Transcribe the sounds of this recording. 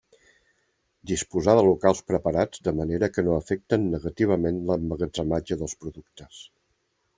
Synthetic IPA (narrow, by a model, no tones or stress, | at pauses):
d̪ispuzaðəlukalˠspɾəpəɾad͡zd̪əməneɾəkənoəfɛk̚t̪ənːəɣət̪iβ̞əmenləməɣəd͡zəmad͡ʒəðəlˠspɾuðukt̪əs